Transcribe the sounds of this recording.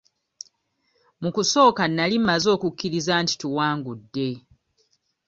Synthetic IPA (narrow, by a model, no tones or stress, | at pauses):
mukuso̞ːkanːalimːazo̞ːkukːiɾizanti̥tuwaːŋɡudːe̞